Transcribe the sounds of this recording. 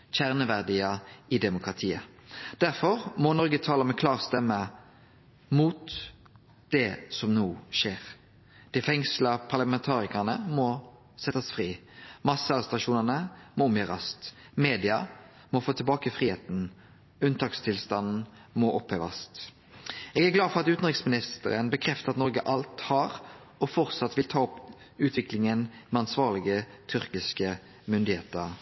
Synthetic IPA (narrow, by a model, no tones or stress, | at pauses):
çæʁnəʋæʁd̪iəɪd̪ɛmʊkʁɑt̪ʰiːəd̪̥æʁfɔʁmɔnɔʁɡət̪ʰɑːləmɛkʰlɑːʁst̪ɛmːə | muːt̪ | d̪̥ɛsɔmnuːʃeːʁ | d̪̥ɛfɛŋslɑpʰɑʁləmɛnt̪ʰɑːʁɪkəʁnəmɔ | sɛt̪ːɑsfʁiː | mɑsəɑɾʁɛst̪ɾɑʃuːnəʁnəmɔɔmjøːʁɑst̪ | meːd̪ɪɑ | mɔfoːt̪ʰɪlbɑːkəfʁiːeːt̪n̩ | ʉnt̪ʰɑːkst̪ʰɪlst̪ɑnn̩ | mɔʔɔpheːʋɑ̰st̪ | ɛːɡæɡlɑːd̪fɔʁɑt̪ʉːt̪n̩ʁɪksmɪnɪst̪ə̰ɾənbəkʰʁɛft̪əʁɑt̪nɔʁɡəʔɑlt̪hɑʁ | ɔfɔʁt̪sɑt̪ʋɪlt̪ʰɑːɔp | ʉːt̪ʰʋɪklɪŋənmɛɑnsʋɑːʁlɪɡə | t̪ʰʏɾkɪskə | mʏnd̪ɪheːt̪əʁ